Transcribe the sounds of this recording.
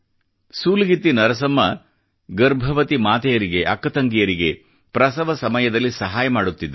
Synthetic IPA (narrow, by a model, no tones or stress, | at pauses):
suːliɡit̪ːinɐɾɐsɐmːɐ | ɡɐɾbʱɐʋɐt̪imaːt̪ɐjɐɾiɡe̞ʔɐkːɐt̪ɐŋɡijɐɾiɡe̞ | pɾɐsɐʋɐsɐmɐjɐd̪ɐlːisɐɦaːjɐmaːɽut̪ːid̪